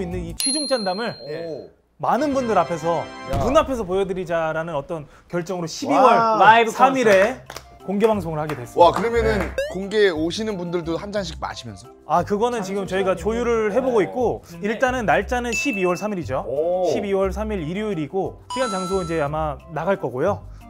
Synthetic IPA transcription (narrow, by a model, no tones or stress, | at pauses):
oinːɯnit͡ɕʰɥid͡ʑuŋt͡ɕ͈andamɯɭ | manɯnbundɯɾapʰesʰʌpunapʰe̞sʰʌp̬ojʌdɯɾid͡ʑaɾanɯnʌt͈ʌn | kjʌɭt͡ɕ͈ʌŋɯɾoɕʰibiwʌɭasʰamiɾe̞ | koŋɡe̞baŋs̬ʰoŋɯɭhaɡe̞dwe̞s͈akɯɾʌmjʌnɯnkoŋɡeoɕʰinɯnbundɯɭdohand͡ʑaŋɕ̬ʰik̚ma̰ɕʰimjʌnsʰʌ | akɯɡʌnɯnt͡ɕiɡɯmt͡ɕʌiɡat͡ɕojuɾɯɭɦe̞boɡoik̚k͈oiɭt͈anɯnːaɭt͡ɕ͈anɯnɕʰibiwʌɭsʰamiɾid͡ʑoɕʰibiwʌɭsʰamiɾiɾjoiɾiɡo | pʰiant͡ɕaŋs̬ʰoid͡ʑe̞amanaɡaɭk͈ʌɡojo